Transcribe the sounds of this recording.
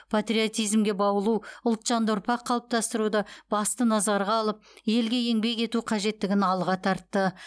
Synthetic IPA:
pʰat̪rʲio̞t̪ijzmɡʲe̞bɑwəlˠuʊlˠt̪ʃɑnd̪ʊɾpɑqʰːɑlˠəp̚t̪ɑst̪əɾud̪ɑb̥ɑst̪ənɑzɑɾʁɑːlˠəp̚je̞lɡʲe̞je̞ŋbe̞kʲe̞t̪uqʰɑʒe̞t̪ːɪɡʲɪnɑlˠʁɑt̪ʰɑɾt̪ːə

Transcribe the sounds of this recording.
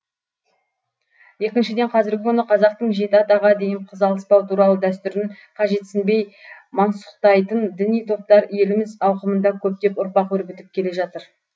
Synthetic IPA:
je̞kʲɪnʃɪd̪e̞ɴqʰɑzɪɾɡʲɪkʲʰʏnəqʰɑzɑq̚t̪əɴʒe̞t̪ɪɑt̪ɑʁɑd̪e̞jɪɴqʰəzɑlˠəspɑwt̪ʰuɾɑlˠəd̪æst̪ʏɾɪɴ | qʰɑʒe̞t̪sɪnbe̞jmɑnsʊ̥qt̪ɑjt̪ənd̪ɪnijt̪ʰo̞p̚t̪ɑɾje̞lɪmɪzɑwqəmənd̪ɑkʲʰɵp̚t̪e̞pʊɾpɑqʰɵɾbʲɪt̪ɪp̚kʲʰe̞le̞ʒɑt̪əɾ

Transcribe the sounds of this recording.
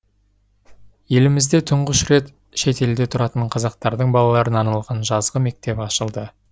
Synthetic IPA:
je̞lɪmɪzd̪e̞t̪ʰʊɴʁəʃɾe̞t̪ | ʃe̞t̪e̞ld̪e̞t̪ʰʊɾɑt̪əɴqʰɑzɑq̚t̪ɑɾd̪əɴbɑlˠɑlˠɑɾənɑnɑlˠʁɑnʒɑzʁəme̞k̚t̪e̞pɑʃəlˠd̪ə

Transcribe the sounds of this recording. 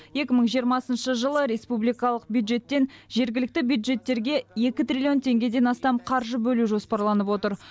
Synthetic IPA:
je̞kʲɪməɴʒijəɾmɑsənʃəʒəlˠəɾe̞spublijkɑlˠəq̚bjud̪ʒe̞t̪ːe̞nʒe̞ɾɡʲɪlɪk̚t̪ɪbjud̪ʒe̞t̪ːe̞ɾɡʲe̞je̞kʲɪt̪rʲilʲio̞nt̪ʰe̞ŋɡʲe̞d̪e̞nɑst̪ɑmqʰɑɾʒəbɵluʒo̞spɑɾlˠɑnəpwo̞t̪əɾ

